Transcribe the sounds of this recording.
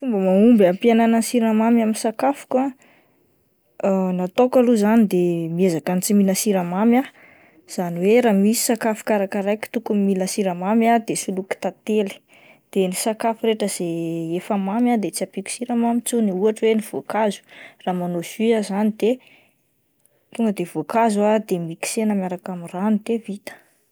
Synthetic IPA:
fumbəmaumbapiananasiɾamamaminsakafu̥ka | nat̪okaluzanid̪emiezakant͡siminəsiɾamamja | z̥aniweɾamisi̥sakafu̥kaɾakaɾajki̥t̪ukummiləsiɾamamjad̪esuluki̥t̪at̪eli̥ | d̪̥enisakafiɾeʈ͡ʂəz̥eefamamjad̪et͡siapiku̥siɾamamit͡suniuaʈ͡ʂweniv̥okazu̥raːmanoz̥yazanid̪̥e | t̪uŋɡəd̪evokazuad̪emiki̥senəmjaɾakamiranit̪evit̪ə̥

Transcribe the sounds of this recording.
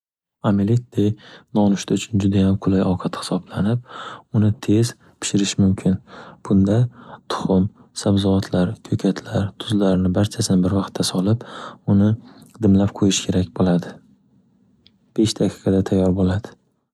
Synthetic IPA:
amilɪt̪̚d̪ejnɒnʊʃt̪aʊt͡ʃʰʊnd͡ʒʊd̪ajamqʰʊlajɒwqʰɑt̪hɪ̥sɒblanɪp̚ʊnɪt̪ʰe̞z̥ | pʰɪ̥ʃɪɾɪʃmʊmkʲʰɪnb̥ʊnd̪at̪ʰʊ̥χʊm | sabzɒat̪ʰlaɾkʲʰɵkʲʰat̪ʰlaɾt̪ʰʊzlaɾnɪbaɾt͡ʃʰasɪnɪbɪɾvɑqt̪ʰːasɒlˠɪpʊnɪd̪ɪmlap̚qʰojɪʃkʲʰe̞ɾakʲbolad̪ɪ | b̥e̞ʃd̪aqʰɨ̥qʰɑd̪at̪ʰajːɒɾbolad̪̥ɪ̥

